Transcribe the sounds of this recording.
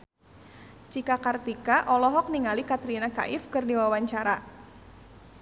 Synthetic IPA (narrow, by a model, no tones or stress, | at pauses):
d͡ʒikakart̪ikaʔɔlɔɦɔk̚niŋalikat̪ɾinaka̰ʔɪfkərdiwawaɲt͡ʃaɾa